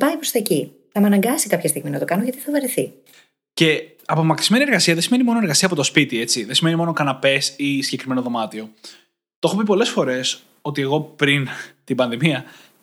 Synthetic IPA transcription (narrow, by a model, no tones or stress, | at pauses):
pɐipɾost̪ɐci | θɐmeɐnɐŋɡɐsikɐpçɐst̪iɣminɐt̪o̞kɐnoʝɐt̪i̥θɐvɐɾeθḭ | ce̞ | ɐpomɐkiszme̞nieɾɣɐsiɐðesimenimo̞noeɾɣɐsiɐːpo̞t̪ospit̪ie̞t͡siðesime̞nimo̞nokɐnɐpe̞sisiʝɟekɾime̞noðo̞mɐt̪io̞ | t̪oo̞xo̞pipo̞le̞sfo̞ɾe̞s | o̞t̪ie̞ɣo̞pɾint̪ibɐnðimiɐ